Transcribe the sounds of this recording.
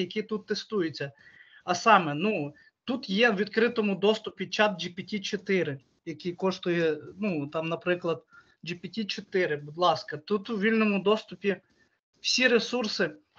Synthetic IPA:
jɐkʲit̪ut̪ːest̪ujɪt͡sʲːɐ | ɐsɑmɛnu | t̪ut̪jɛwʋʲid̪kɾɪt̪ɔmʊd̪ɔst̪ʊpʲit͡ʃɑt̪̚d͡ʒipʲɐtʲit͡ʃɔt̪ɪɾɪ | jɐkʲikɔʃt̪ʊjɛnut̪ɑmnɐpɾɪklˠɐd̪̥ | d͡ʒipʲɐtʲit͡ʃɔt̪ɪɾɪbʊd̪lˠɑskɐt̪ut̪wʋʲilʲnɔmʊd̪ɔst̪ʊpʲi | w̥sʲiɾesursɪ

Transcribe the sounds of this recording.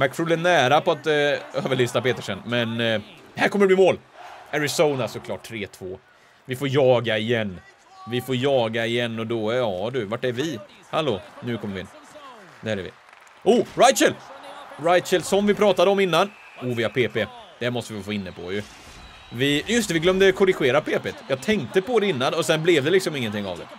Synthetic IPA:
mækfulɛnːæːɾapɔat̪øːvəɭyːst̪apeːt̪əʂɛnmɛnhæɾkʰɔmːəɖ̪ɛblɪmoːlæɾɪsoʊnasɔkʰlɑ̰ːʈʰːɾeːt̪ʰvoː | vɪfoːɾjɑːɡaɪjɛnː | vɪfoːɾjɑːɡaɪjɛnːɔd̪ɔjɑːd̪ɵvaʈːɛɾvɪ | haloːnʉ̟kʰɔmːəɾvɪɪ̰n | d̪ɛhæɾɛɾvɪ̰ | uːɾajt̪ʃəlɾaj̪ʃəlsɔmvɪpʰɾɑːt̪ad̪əɔmɪn̪ːan | uːvɪhaɾpʰeːped̪̥ɛæmɔst̪əvɪfoːɪnːəpʰɔ̰jɵ | vɪjɵst̪əvɪɡlœmd̪əkʰʊɾɪɧeːɾapʰeːpet̪jɑːɡt̪ʰɛŋkt̪əpɔd̪ɾɛɪnːanɔsɛnblɛvd̪ɛlɪksɔmɪŋːənt̪ɪŋːa̰vd̪ɛ̰

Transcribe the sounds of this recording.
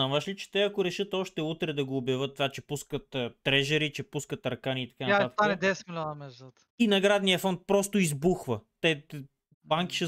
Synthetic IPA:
aməʃlit͡ʃɛ̥t̪ɛɐkoɾɛʃɤt̪ɔʃt̪ɛut̪ɾɛd̪ɐɡoːbjɐvɤt̪ːvat͡ʃɛpuskət̪ːɾɛʒɛɾit͡ʃɛpuskət̪ɐɾkaniːt̪ɐ̥kanaat̪anɛd̪ɛsmilʲɔnəmɛzət̪ | inɐɡɾad̪nijəfɔnt̪̚pɾɔst̪oizbuxvɐt̪ɛ | baŋki̥ʃɛ

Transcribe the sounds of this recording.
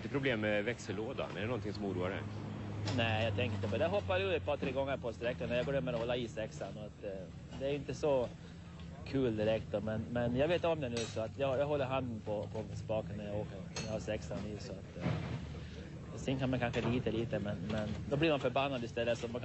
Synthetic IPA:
ɪnt̪əpʰɾʊbleːmːɛvɛksəloːd̪a̰næɖɛnɔnt̪ʰɪŋsɔmuːɾṵːaɾɛ̰nɛːjɑːt̪ʰɛŋkɪnt̪ːəpɔd̪æɦɔpːaʉːɛt̪̚pɑːɾt̪ʰɾeːɡɔŋːəɾpʰɔst̪ɾɛkːənæɾjɑɡoːɾɛmːəɾɔhɔlːaisɛksanɔat̪ | d̪ɛæɾjɵɪnt̪əsɔ | kʰʉ̟ːld̪ɪɾɛk̚t̪̚d̪ɔmɛnmɛnjɑɡveːt̪ɔmd̪ɛnʉ̟ːsɔat̪jɑjɑːɡɦɔlːəɾɦand̪mpʰɔpʰɔspɑːkənnːæɾjaoːkəɾnæɾjahaɾsɛksaniːsɔat̪ː | sɛnkʰanmankʰanɧəliːt̪əliːt̪əmɛnmɛnd̪ɔbliɾmanfœɾbanːand̪əɪst̪ɛlːəsɔman

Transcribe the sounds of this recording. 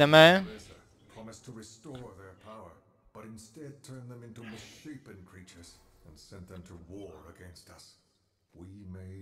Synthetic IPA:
ə̃məzə˞ | pʰɹ̥ɑmɨstʰəɹɨstɔɹðə˞pʰaʊə˞ | b̥ʌɾɨ̃nstɛd̚tʰɜ̃˞nðə̃mɪ̃ntumɨʃeɪpɨ̃nkʰɹ̥it͡ʃə˞z̥ɨ̃nsɛ̃nðɨ̃mtʰəwɔɹə̰ɡɛ̃nstʌs | wimeɪ

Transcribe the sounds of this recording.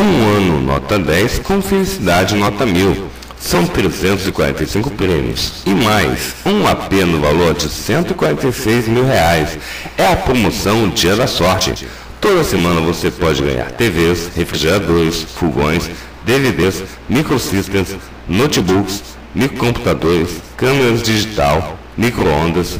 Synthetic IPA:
ũɐ̃nʊ̰nɔ̰t̪ɐd̪ɛjskõw̃felisid̪ad͡ʒɪnɔt̪ɐmiw | sɐ̃w̃t̪ɾezẽnt̪ʊzɪkwaɾẽt̪ɐjsĩkʊpɾẽmḭʊ̰sɪmajsũapenʊvaloɾd͡ʒɪsẽnt̪ʊikwaɾẽnt̪ɐjsejzmiwheajs | ɛɐpɾomosɐ̃w̃d͡ʒiɐd̪ɐsɔɾt͡ʃɪ̰ | t̪od̪ɐsemɐ̃nɐvosepɔd͡ʒɪɡɐ̰̃ɲa̰ɾt̪eveshefɾiʒeɾad̪oɾɪsfuɡõ̰j̃s | d̪eved̪es | mikɾosist̪ẽs | not͡ʃibuks | mikɾkõmpu̥t̪ad̪oɾɪskɐ̃meɾɐzd͡ʒiʒit̪aw | mikɾoõnd̪ɐs

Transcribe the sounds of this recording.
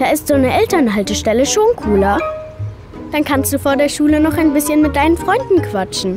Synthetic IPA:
d̥aːɪstz̥oːnəʔɛltɐnɦaltəʃtɛləʃoːnkʰuːlɐ | d̥ankʰanstd̥uːfoːɐdeːɐʃuːlənɔχaɪnbɪsçənmɪt̚d̥aɪnənfʁ̥ɔʏndn̩kv̥at͡ʃn̩

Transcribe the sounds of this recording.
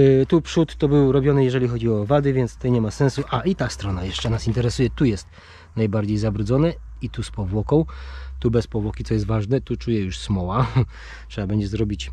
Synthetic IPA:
t̪upʂut̪ːɔbɘwɾɔbʲjɔnɘjɛʐɛlʲixɔd͡ʑiɔvad̪ɘvʲɛnt̪st̪ɛjɲɛmasɛ̃ñsuʔait̪ast̪ɾɔnajɛʂt͡ʂɛnasint̪ɛɾɛsujɛt̪ujɛst̪ | najbaɾd͡ʑejzabɾud̪zɔnɛit̪uspɔvwɔkɔ̃w̃t̪ubɛspɔvwɔkʲit̪sɔjɛst̪vaʐnɛt̪ut͡ʂujɛjuʂsmɔwa | tʂɛbabɛɲd͡ʑɛzɾɔbʲit͡ɕ

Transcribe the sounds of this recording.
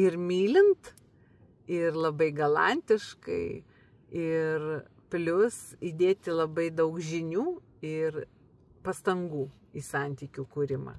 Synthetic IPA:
ɪrmʲiːlʲɪnt̪ | ɪrlˠɐbɐɪɡɐlˠɑ̰nʲt̪ʲɪʃkɐ̰ɪ | ɪr | pʲlʲʊsid̪ʲeːt̪ʲɪlˠɐbɐɪd̪ɐʊkʒʲɪnʲuː | ɪr | pɐst̪ɐŋɡuː | iːsɑˑnʲt̪ʲiːkʲuːkuːɾʲɪmɐ̰ː

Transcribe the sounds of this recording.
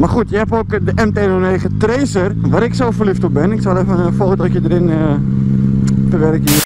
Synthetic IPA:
marxutjəɦɛpoːkdəʔɛmtenoneːxətreːsərʋaːɾɪksoːfərliftobɪnɪksalˠɛfəəfoːtɔtjədəɾɪnə | təʋɛrkiə

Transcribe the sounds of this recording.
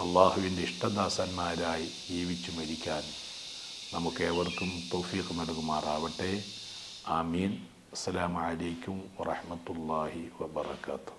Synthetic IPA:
ɐlˠˤːaːɦuʋindeiʂʈɐd̪aːsaːnmaːɾaːji | iːʋit͡ɕːumɐɾikʲːaːn | nɐmukːeʋɐrkumt̪owfiːqnɐɽuɣumaːraːʋɐʈːeː | aːmiːn | ɐsːɐlaːmuʕalejkʲːumʋɐrɑħmɐt̪ulːɑːhiwɐbɐrɐ̰kaːt̪u̥

